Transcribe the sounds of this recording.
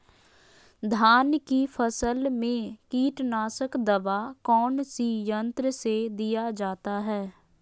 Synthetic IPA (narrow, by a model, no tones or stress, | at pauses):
d̪ʱaːnkifʰəsəlmẽkiːʈnaːsəkd̪əʋakɔːnsijə̃nt̪ɾəsed̪ijad͡ʒaːt̪aɦɛː